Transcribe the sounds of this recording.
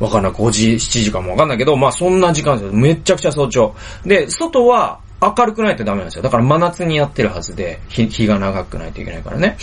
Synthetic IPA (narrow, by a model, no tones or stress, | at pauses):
βakanːaikoʑiɕi̥t͡ɕiʑikamːo̞akanːaike̞d̪o̞maːsõ̞nːaʑikãnsjome̞t͡ɕakɯ̟̥t͡ɕas̬o̞ːt͡ɕo̞ː | d̪e̞so̞t̪o̞βaː | kaɾɯ̟kɯ̟nait̪o̞d̪ame̞nãnsjod̪akaɾamanat͡sɨɲ̟ijat̪ːe̞ɾɯ̟hazɨd̪e̞çiçiɡanaɡakɯ̟na̰it̪o̞ḭke̞na̰ika̰ɾa̰ne̞